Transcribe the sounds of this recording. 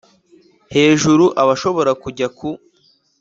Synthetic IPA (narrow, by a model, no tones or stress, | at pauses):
he̞ːʒuɾuʔaβaʃo̞βo̞ɾakuɟaku